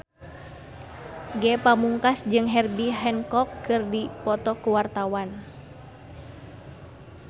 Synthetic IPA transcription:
ɡɛpamuŋkasd͡ʒɨŋɦɛrbiɦɛnkɔkːɨrdipɔt̪ɔkuwart̪awan

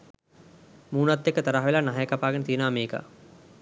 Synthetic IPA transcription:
muːnat̪ːekːət̪ɐɾaɦʋelanaɦajəkapaːɡənət̪ijənəʋameːkə̰

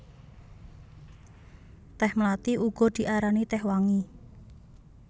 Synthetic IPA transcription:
t̪ɛhmlat̪iʔuɡ̥ɔ̤d̪̥i̤ʔaɾanit̪ɛhwaŋi

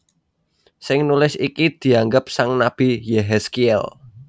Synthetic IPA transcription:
sɪŋnulɪsikid̪̥i̤aŋɡəp̚saŋnab̥i̤jɛɦɛskiɛ̰l

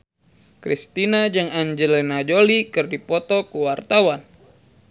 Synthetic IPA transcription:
kɾḭst̪inad͡ʒɨŋaɲd͡ʒɛlɛnad͡ʒolikɨrdipɔt̪ɔkuwart̪awan

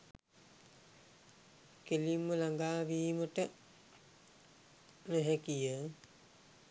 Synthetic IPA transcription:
kelimːəlaŋɡaːʋiːməʈə | nɛɦɛkijə

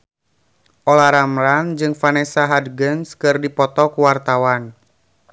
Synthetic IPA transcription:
ʔɔlaɾamɾand͡ʒɨŋfanɛsaɦadɡənskɨrdipɔt̪ɔkuwart̪awan

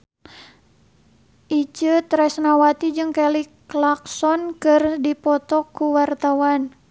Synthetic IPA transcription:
ʔit͡ʃət̪ɾɛsnawat̪id͡ʒɨŋkɛliklaksɔnkɨrdipɔt̪ɔkuwart̪awan

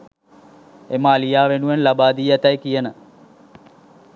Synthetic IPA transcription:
emaːlijaːʋenuʋenlabaːd̪iːɛt̪ɐjkijənə

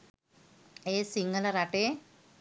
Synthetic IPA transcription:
eːsiŋɐlɐɾɐʈe

